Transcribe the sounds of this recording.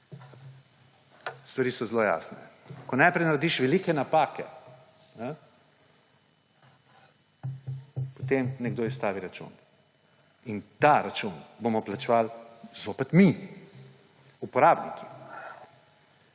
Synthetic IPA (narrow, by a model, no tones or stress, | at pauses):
st̪ʋaɾiːsɔzloja̰ːsnɛ̰kɔnajpɾɛjnaɾed̪iʃʋɛlikɛnapaːkɛ̰ | nɛ | pot̪emnɛɡd̪oːist̪aːʋiɾat͡ʃṵn | int̪aɾat͡ʃunbomɔplat͡ʃɛʋalzoːpɛt̪mi | upɔɾaːbnikʰi̥